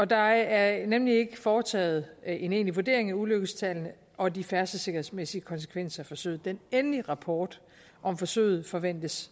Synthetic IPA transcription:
ɒ̽d̥ɑ̈æɐnemlie̝ɡ̥əfɒːt͡sʰɛ̰ːð̩ˠe̝ne̝ːnliʋu̝ɐd̥e̝ɐ̰e̝ŋæuløɡ̥əst͡sʰɛln̩ | ʔɒ̽d̥ifæɐsd̥əse̝ɡ̥ɐɦhe̝smesiəkʰɒ̽ns̬ə̥kʰʋen̰sɐfɒ̽sø̰ːð̩ˠd̥enenliʁɑ̈pʰɒːd̥ | ʔɒ̽mfɒ̽sø̰ːð̞̩ˠfɒ̽ʋen̰d̥əs

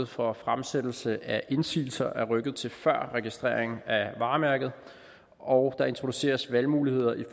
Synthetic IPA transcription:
ð̩ˠfɒ̽fʁamsed̥l̩səʔæʔe̝nsḭːl̩sɐʔæɐʁœɡ̥ð̞̩ˠt͡sʰe̝lfɶɐ̰ʁɛɡ̥isd̥ʁḛːɐ̰eŋn̩æʋɑ̈ːmæɐɡ̥ð̞̩ˠ | ɒʊd̥ɑ̈e̝nt͡sʰʁo̝d̥use̝̰ːɐsʋælmuːlihe̝ð̞̰ˠɐʔif

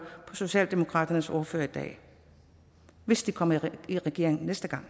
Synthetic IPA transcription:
pʰɒ̽so̝ɕɛ̰ːld̥e̝mo̝kʰʁɑ̰̈ːd̥ɐnəsɒɐføːɐid̥ɛ̰ː | ʋe̝sd̥ikʰɒ̽m̰ɐiʁɛɡ̥e̝ɐ̰e̝ŋn̩nesd̥əɡ̥ɑ̈ŋ̰

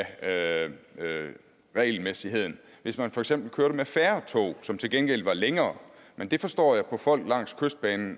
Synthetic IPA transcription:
ʁɛɪlmesiɦe̝ð̞̰ˠn̩ | ʋe̝smænfɒ̽eɡ̥sem̰b̥l̩kʰøːɐɾəmefæːɐt͡sʰɔ̰ʊsɒ̽mt͡sʰe̝lɡ̥enɡ̥el̰ʋɑ̈leŋɐːmend̥e̝fɒ̽sd̥ɒ̰ːjɑ̈ɪpʰɒ̽fɒ̽l̰ɡ̥lɑ̈ŋ̰skʰøsd̥̚b̥ɛːnn̩

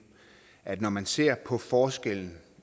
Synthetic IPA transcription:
ʔæd̥nɒmænse̝ɐ̰pʰɒ̽fɒːsɡ̥el̰n̩

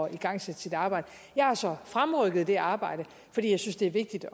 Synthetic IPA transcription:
iɡ̥ɑ̈ŋ̰sed̥sid̥ɑ̈ːb̥ɑ̈ɪ̰d̥ə | jɑ̈ɪhɑsɒ̽fʁamʁœɡ̥əð̩ˠd̥e̝ʔɑ̈ːb̥ɑ̈ɪ̰ɾ̥ə | fd̥ḭːjɑ̈ɪsynsd̥e̝æɐʋe̝ɡ̥̚d̥id̥

